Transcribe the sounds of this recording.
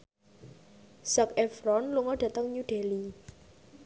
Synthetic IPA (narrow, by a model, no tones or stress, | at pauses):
sakɛfɾɔnluŋɔd̥ä̤t̪əŋɲuɖ̥e̤li